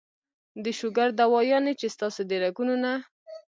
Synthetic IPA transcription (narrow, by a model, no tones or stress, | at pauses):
d̪əʃʊɡaɾd̪awɑjɑnet͡ʃest̪ɑsod̪əɾaɡunona